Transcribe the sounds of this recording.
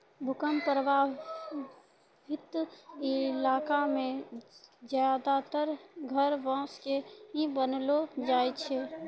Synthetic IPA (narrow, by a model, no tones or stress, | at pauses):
bʱʊkəmpɾəba | ɪt̪ɪlaːkamẽ | zjad̪at̪əɾɡʱəɾʋãːskeɦĩbənlod͡ʒaːjt͡ʃʰɛ